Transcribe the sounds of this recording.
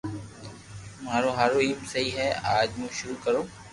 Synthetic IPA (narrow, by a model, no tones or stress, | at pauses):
maːɾoːɦaːɾoːiːmsəɦiːɦɛːaːd͡ʒmũːʃʊɾuːkəɾoː